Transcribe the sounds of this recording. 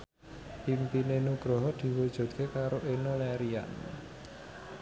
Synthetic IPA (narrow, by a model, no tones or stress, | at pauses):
pimpinenuɡ̥ɾɔɦɔd̪̥i̤wɔd̥ʒ̥ṳt̪̚kʰekaɾoʔenolɛɾia̰n